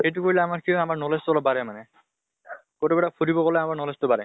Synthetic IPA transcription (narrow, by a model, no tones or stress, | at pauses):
ejt̬ukoɹilɛamaɹkʰiamaɹnɔlestɔlɔbaɹɛmanɛ | kotɔbɛɾapʰudibɔkɔlɛamaɹnɔlestʊbaɾɛ